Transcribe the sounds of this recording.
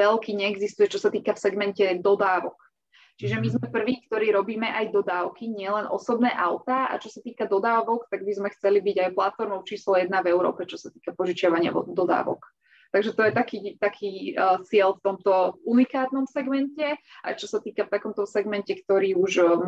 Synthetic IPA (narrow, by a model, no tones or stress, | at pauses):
ɛlkiːɲɛɛɡzist̪ujɛt͡ʃɔsat̪iːkafsɛɡmɛncɛd̪ɔd̪aːʋɔk | t͡ʃiʒɛmizmɛpr̩ʋiːkt̪ɔɾiːɾɔbiːmɛʔajd̪ɔd̪aːʊkiɲɪɛlɛnʔɔ̰sɔbnɛːʔaʊt̪aa̰t͡ʃɔsat̪iːkad̪ɔd̪aːʋɔkt̪aɡ̚bizmɛxt͡sɛlibiɟajplat̪fɔɾmɔʊt͡ʃiːslɔjɛd̪navɛʊɾɔ̰ːpɛt͡ʃɔsat̪iːkapɔʒit͡ʃɪaʋaɲɪa̰ɔ̰d̪ɔd̪a̰ːʋɔ̰k | t̪aɡʒɛt̪ɔjɛt̪akiːt̪akʰiːt͡sɪɛlft̪ɔmt̪ɔunikaːt̪nɔmsɛɡmɛncɛʔa̰jt͡ʃɔsat̪iːkaft̪akɔmt̪ɔsɛɡmɛncɛkt̪ɔɾiːuʒ